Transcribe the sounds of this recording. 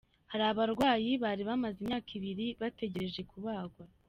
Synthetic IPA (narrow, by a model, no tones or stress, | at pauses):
haɾaβaɾɡwaːjiβaːɾiβamazimɲaːkiβiɾiβate̞ɟe̞ɾe̞ʒe̞kuβaːɡwa